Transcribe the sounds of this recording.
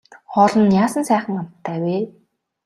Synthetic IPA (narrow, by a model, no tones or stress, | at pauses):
χɔɮɞ̆njaːsə̆nsæːχə̆ŋam̥t̪ʰːæːweː